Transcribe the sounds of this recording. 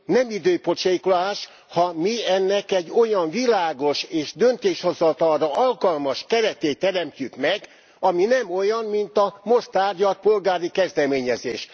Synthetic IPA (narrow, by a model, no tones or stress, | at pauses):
nɛmid̪øːpo̞t͡ʃejkolaːʃ | hɒmiɛnːɛkɛɟːo̞jɒɱvilaːɡo̞ʃeːʒd̪ø̞nt̪eːʃho̞zɒt̪ɒlrɒʔɒlkɒlmɒʃkɛɾɛt̪eːt̪ːɛɾɛmcykmɛɡ | ɒminɛmo̞jɒnmint̪ɒmo̞st̪aːrɟɒt̚po̞lɡaːɾikɛzd̪ɛmeːɲɛzḛːʃ